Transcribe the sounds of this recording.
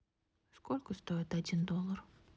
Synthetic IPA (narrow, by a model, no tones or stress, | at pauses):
sko̞lʲkəst̪o̞ɪt̪ɐdʲind̪o̞lˠːər